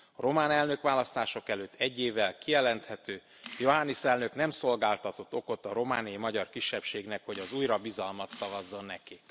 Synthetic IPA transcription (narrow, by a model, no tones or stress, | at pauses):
ɒɾo̞maːnɛlnø̞kʋaːlɒst̪aːʃo̞kɛløt̪ʰːɛɟːeːvːɛlkijɛlɛnt̪hɛt̪øː | jo̞ɦanːisɛlnø̞knɛmso̞lɡaːlt̪ɒt̪o̞t̪ːo̞ko̞t̪ːɒɾo̞maːniimɒɟɒrkiʃːɛpʃeːɡnɛkho̞ɟɒzuːjɾɒbizɒlmɒt̪sɒvɒzːo̞nːɛkik